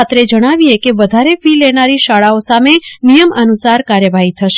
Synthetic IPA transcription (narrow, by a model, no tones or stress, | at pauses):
at̪ɾed͡ʒəɽ̃aʋiekeʋəd̪ʱaɾefilenaɾiʃaɭaosamenijəmənusaɾkaɾjəʋaɦit̪ʰəʃe